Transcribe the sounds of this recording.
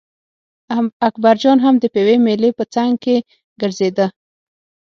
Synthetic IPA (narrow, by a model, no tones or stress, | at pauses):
akbaɾd͡ʒɑnɦamd̪əpewemelepət͡saŋɡ̚ke | ɡəɾzed̪ə